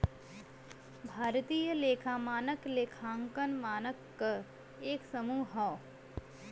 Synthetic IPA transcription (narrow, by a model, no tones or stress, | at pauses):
bʱaːɾt̪iːjəleːkʰaːmaːnəkleːkʰãːŋkənmaːnəkːə | eːksəmuːɦaː